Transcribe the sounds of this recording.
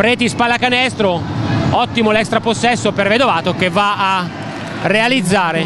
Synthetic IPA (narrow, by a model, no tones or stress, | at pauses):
pɾeːt̪ispalːakanɛst̪ɾoɔt̪ːimolɛkst̪ɾaposːɛsːoperved̪ovaːt̪okevːaaː | realid̪zːaːɾe